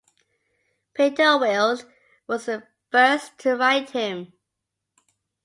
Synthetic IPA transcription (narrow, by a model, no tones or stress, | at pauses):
pʰitəwɪlˠz | wɒzðə | fɜˑ˞stʰəɹaɪt̚hɪ̃m